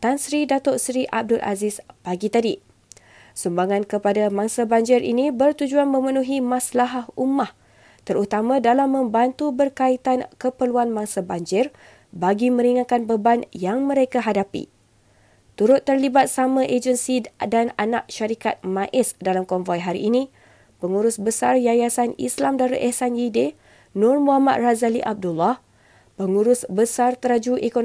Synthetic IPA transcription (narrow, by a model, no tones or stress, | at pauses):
t̪ansɾidat̪ɔʔsɾiʔa̰b̚dʊlʔa̰zispaɡit̪adi | sumbaŋãnkəpadamãŋsabaɲd͡ʒɪɾḭnĩbərt̪ud͡ʒuanmə̃mə̃nuɦimãslaɦahumah | t̪əɾut̪amãdalamːə̃mbant̪ubərkait̪ankəpərluanmaŋsabaɲd͡ʒɪr | baɡimə̃ɾiŋakanbəbanjaŋmə̃ɾekaɦadapḭ | t̪uɾʊt̪ːərlibat̪̚samãʔed͡ʒənsidananaʔ̚ʃaɾikat̪̚mãʔɪsdalamkɔɱvɔjɦaɾḭʔːnĩ | pəŋuɾʊsbəsarjajasanḭslamdaɾuʔ̪ɛhsanjide | nʊrmũɦama̰d̪̚razalḭʔab̚dulːɔh | pəŋuɾʊsbəsart̪əɾad͡ʒuʔekon